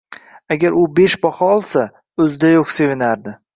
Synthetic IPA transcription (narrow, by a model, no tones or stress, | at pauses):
aɡʲaɾʔʊbe̞ʃbɒhɒɒlˠsa | ɵzd̪ajoqse̞vɪnaɾd̪ɪ